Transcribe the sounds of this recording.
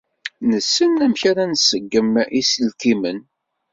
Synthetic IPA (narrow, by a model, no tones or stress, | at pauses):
nəsːənæmçaɾænsəɡːəmisəlkimən